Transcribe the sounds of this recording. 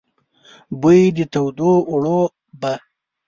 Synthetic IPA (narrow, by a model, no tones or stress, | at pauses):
bujd̪ət̪awd̪oːɽo | ba